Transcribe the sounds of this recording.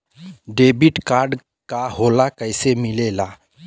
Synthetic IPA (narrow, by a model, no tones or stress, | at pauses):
ɖebiʈkaɾɖ | kaɦolakəjsemilela